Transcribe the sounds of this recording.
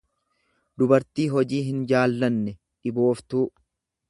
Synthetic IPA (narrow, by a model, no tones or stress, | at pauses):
d̪ʊbɐɾt̪iːɦɔd͡ʒiːɦɪnd͡ʒaːlːɐnːɛ | ᶑɪbo̞ːft̪uː